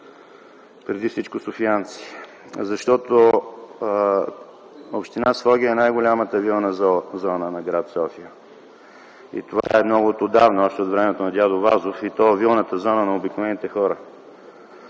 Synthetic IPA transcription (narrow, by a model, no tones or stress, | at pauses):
pɾɛd̪ifsit͡ʃkʊsʊfiant̪si̥ | zɐʃt̪ɔt̪o | opʃt̪inasfɔɡʲiəɛnajɡʊlʲamət̪əvilˠnəzɔnənɐɡɾat̪sɔfijə | ḭt̪ova̰ɛmnɔɡʊt̪od̪avnʊɔʃt̪ɛot̪vɾɛmɛt̪onɐd̪jad̪ovazofit̪ɔɛvilˠnət̪əzɔnənɐobiknovɛnit̪ɛxɔɾə